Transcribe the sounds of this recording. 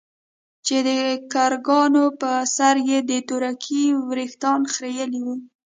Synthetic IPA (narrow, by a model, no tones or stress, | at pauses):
t͡ʃed̪əkaɾɡɑnopəsaɾjed̪ət̪oɾakʰiwɾixt̪ɑnxɾejəliwu